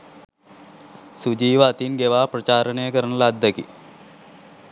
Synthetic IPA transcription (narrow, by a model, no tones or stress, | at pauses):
sud͡ʒiːʋat̪inɡeʋaːprɐt͡ʃaːɾənejəkəɾənəlad̪ʱːəkḭ